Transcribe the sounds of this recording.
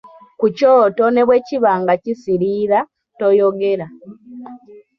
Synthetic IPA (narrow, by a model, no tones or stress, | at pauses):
kucoːto̞ne̞βwe̞ːciβaːŋɡacisiɾiːɾa | to̞joɡe̞ɾa